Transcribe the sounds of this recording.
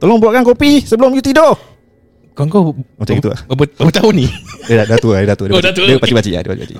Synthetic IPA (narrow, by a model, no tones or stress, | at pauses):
t̪olɔŋbuaʔkankopisəbəlʊmjut̪ido | koŋkɔmat͡ʃaɡit̪ua̰bbəbut̪auniddadat̪uadidat̪udeadpat͡ʃibat͡ʃiʔa̰dipa̰t͡ʃḭba̰t͡ʃḭʔ